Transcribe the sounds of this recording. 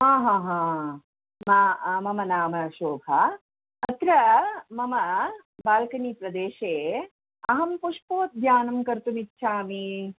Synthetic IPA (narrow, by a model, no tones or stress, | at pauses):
ɦãːɦãːɦãː | mamɐmɐnaːmɐʃoːbʱɐ | ɐt̪ɾɐmɐmɐ | baːlkɐniːpɾɐd̪eːʃeː | ɐɦɐmpuʂpoːt̪̚ɡ̪ʱjaːnɐmkɐɾt̪umitːʃʰaːmi